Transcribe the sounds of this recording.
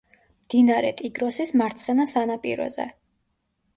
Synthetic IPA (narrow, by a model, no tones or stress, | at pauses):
md̪̥inaɾɛ̰t̪ʼiɡɾɔsismaɾt̪sʰʼχɛnasanapʼḭɾɔ̰zɛ̰